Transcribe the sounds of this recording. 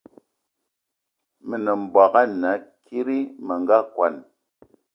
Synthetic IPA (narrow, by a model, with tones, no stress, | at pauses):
mi˨nə˨m̩˨ba˨ka˦na˨˦kʰi˦ɾi˦mə˨ŋɡa˦kwa̰˨n